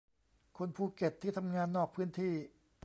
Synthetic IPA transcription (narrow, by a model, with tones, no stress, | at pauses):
kʰo˧npʰuː˥˩ke˨˩t̪ʰːiː˥˩t̪ʰa˧mŋaː˧nːɔː˥˩k̚pʰɯː˦˥nt̪ʰiː˥˩